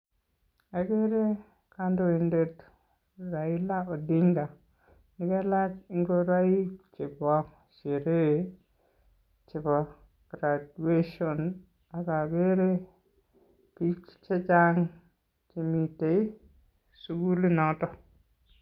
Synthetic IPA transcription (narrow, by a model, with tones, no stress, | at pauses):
a˨ɡe˦ɾe˦ | ka˦ndo˨i˨nde˦t | ɾa˨i˦la˦o˨di˦ŋɡa˨ | nɪ˦kɛ˦la˦t͡ʃi˦ŋɡo˦ɾa˦i˦t͡ʃɪ˨bɔ˦k | ʃe˨ɾe˦ | t͡ʃɪ˨bɔ˨ | ɡ̥ɾa˨due˦ʃɔ˨n | a˨ka˨ɡe˦ɾe˦ | pi˦t͡ʃt͡ʃɛ˦t͡ʃa˦ŋ | t͡ʃi˨mi˨te˨i˦ | su˦ɡu˦li˦nɔ˦tɔ˨